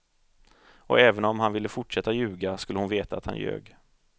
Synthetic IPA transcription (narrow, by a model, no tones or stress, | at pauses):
ʔɔ̰ɛːvənɔmhanvɪlːəfʊʈʂɛt̪ːajʉ̟ːɡaskɵlːəhʊnveːt̪a̰ːt̪ha̰njø̰ːɡ